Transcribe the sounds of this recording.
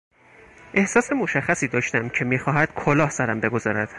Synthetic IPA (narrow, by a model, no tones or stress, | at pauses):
ʔe̞hsɒːse̞moʃæxːæsiːd̪ɒːʃt̪æmcʰe̞miːxɒːɦæd̪̥kʰolɒːhsæɾæmbe̞ɡo̞zɒːɾæd̪̥